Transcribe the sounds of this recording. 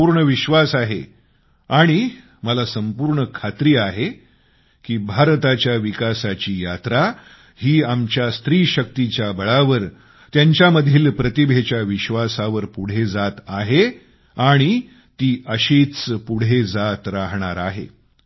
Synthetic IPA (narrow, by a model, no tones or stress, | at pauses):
uɾɳəʋiɕʋasaɦe | aɽ̃i | məlasəmpuːɾɳəkʰat̪ɾiːaɦe | kiːbʱaɾt̪at͡ɕjaʋikasat͡ɕiːjat̪ɾa | hiːamt͡ɕjast̪ɾiːɕək̚t̪it͡ɕjabəɭaʋəɾ | t̪jaɲt͡ɕjaməd̪ʱiːlpɾət̪ibʱet͡ɕjaʋiɕʋasaʋəɾpuɽ̤ed͡zat̪aɦe | aɽ̃i | t̪iːəɕit͡spuɽ̤ed͡zat̪ɾaɦɳ̃aɾaɦḛ